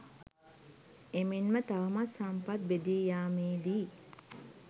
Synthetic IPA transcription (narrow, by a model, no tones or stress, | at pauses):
eminmət̪aʋɐmasːampat̪̚bed̪iːjaːmiːd̪iː